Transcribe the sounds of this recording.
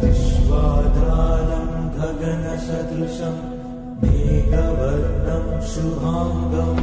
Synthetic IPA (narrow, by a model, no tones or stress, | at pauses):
ʃʋaːd̪aːlɐmb̪ʱɐɡɐnɐʃɐd̪iʃɐm | meːɡ̪ɐʋɐɾnɐmʃubʱaːmd̪ɐm